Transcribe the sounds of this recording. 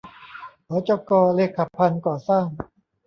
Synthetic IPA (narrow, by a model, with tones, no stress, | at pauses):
kʰɔː˨˦t͡ɕɔ˧kɔː˧le˧˩kʰːa˨˩pʰːa˧nkɔː˨˩saː˥˩ŋ